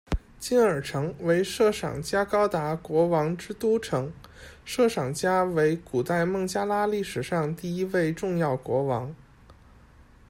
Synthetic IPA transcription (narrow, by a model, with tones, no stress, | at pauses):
t͡ɕi˥nə˞˨˩ʈ͡ʂʰɤ˧˥ŋwe˧˥ɪʂɤ˥˩ʂɑ̰˨˩ŋt͡ɕja˥kɑ˥ʊt̪a˧˥kwɔ˧˥wɑ˧˥ŋʈ͡ʂɻ̩˥t̪u˥ʈ͡ʂʰɤ˧˥ŋʂɤ˥˩ʂɑ˨˩ŋt͡ɕja˥we˧˥ɪku˨˩t̪a˥˧ɪmɤ˥˩ŋt͡ɕja˥la˥li˥˩ʂɻ̩˨˩ʂɑ˥˧ŋt̪i˥˩i˥we˥˧ɪʈ͡ʂʊ˥˧ŋjɑ˥˩ʊkwɔ˧˥wɑ̰˧˥ŋ